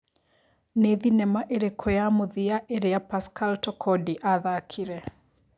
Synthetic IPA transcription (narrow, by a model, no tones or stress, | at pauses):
neðinɛmaʔeɾekʰɔjamoðɪaʔeɾeapaskaltɔkʰɔdiʔaðakʰiɾɛ